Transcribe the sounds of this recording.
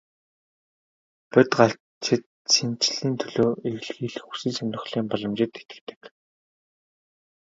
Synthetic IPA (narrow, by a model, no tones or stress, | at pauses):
pʊt̪ɢaɬ | t͡ɕɪ̆t̪̚ | sent͡ɕɮiːnt̪ʰɵɮoːewɮɣiːɮɘxu̥sĭːsanʲt̪ɞ̆χɮiːmpɔɮɞ̆mt͡ɕɪ̆t̪et̪ɘ̆kt̪ɘ̥̆k